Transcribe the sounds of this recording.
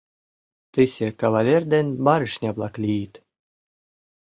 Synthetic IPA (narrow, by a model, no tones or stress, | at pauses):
t̪ɨsʲekavalʲerʲd̪enʲbɑɾɘʃnʲɑblˠɑklʲijit̪